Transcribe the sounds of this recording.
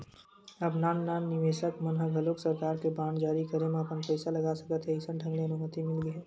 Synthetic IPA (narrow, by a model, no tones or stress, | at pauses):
ɐbnaːnːaːnːɪʋeːʃəkmənɦəɡʱɦɐloːksɐɾkaːɾkebãːɳɖd͡ʒaːɾikɐɾemẽɐpənpɛːsalɐɡaːsɐkət̪ɦɛɪsənɖʱɐ̃ŋɡɽeɐnumət̪imɪlɡiɦɛː